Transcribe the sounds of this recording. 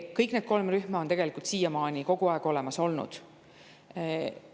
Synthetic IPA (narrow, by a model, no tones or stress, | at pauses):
kɤjkne̞ːd̪̚ko̞lmryhmɑot̪eɡe̞likˑult̪siːjɑmɑːnʲiko̞ɡ̥uɑˑeɡ̥o̞le̞mɑso̞lnṵd̪̥